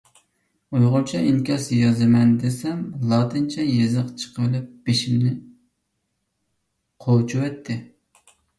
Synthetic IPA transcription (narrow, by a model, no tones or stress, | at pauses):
ujʁʊlˠt͡ʃʰɛiŋkʲɑsjɑzɨmɛnd̪esɛmlˠɑt̪ʰɨnt͡ʃʰɛjezɨqt͡ʃʰə̥qʰəlˠɨp̚b̥eʃimnɪ | qʰowt͡ʃʰuwɛt̪ʰːɪ